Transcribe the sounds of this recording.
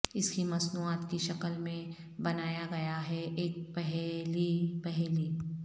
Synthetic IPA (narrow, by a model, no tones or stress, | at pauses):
ɪskimɐznuːaːt̪kiʃɐkəlmẽ | bɐnaːjaɡɐjaɦɛʔeːk̚pɛɦɛlipɛɦɛliː